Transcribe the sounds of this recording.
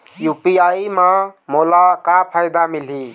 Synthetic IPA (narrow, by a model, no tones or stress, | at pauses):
jupiaimãmolakapʰajd̪amil̤ɦi